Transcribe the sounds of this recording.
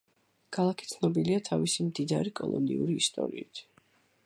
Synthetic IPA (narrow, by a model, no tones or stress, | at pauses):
kʰalˠakʰit̪sʰnɔbiliat̪ʰavisimd̪id̪aɾikʼɔlˠɔ̰nḭuɾiːst̪ʼɔ̰ɾiit̪ʰ